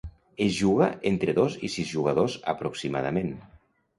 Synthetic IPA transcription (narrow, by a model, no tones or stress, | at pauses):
ezʒuɣ̞əʔent̪ɾəðozisizʒuɣəðozə̰pɾuksima̰ð̞ə̰men